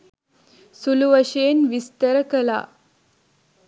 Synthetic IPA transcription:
suluʋəɕeːnʋist̪əɾəkəla̰

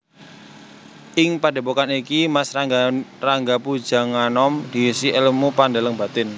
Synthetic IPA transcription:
ʔɪŋpad̥e̤pokanikimasraraŋɡapud̥d͡ʒ̥a̤ŋanɔmd̪̥isiʔɛlmupandaləŋb̥a̤t̪ɪn

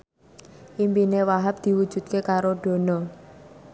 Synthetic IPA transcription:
ʔimpinewaɦap̚d̪̥i̤wud̥ʒ̥ṳt̪̚kekaɾoɖ̥o̤nɔ

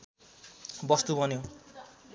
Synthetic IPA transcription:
bʌst̪ubʌnje

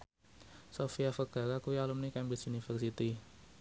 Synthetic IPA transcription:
sofiafəɡ̥a̤ɾakujalʊmnikɛmbɪsunifərsit̪i

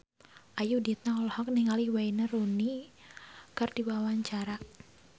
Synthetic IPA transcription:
ʔajudit̪̚naɔlhɔk̚niŋalihwainaruni | kərdiwawaɲt͡ʃaɾa

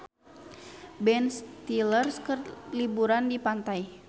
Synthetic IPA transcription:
bɛnst̪ilərskərlibuɾandipant̪aj

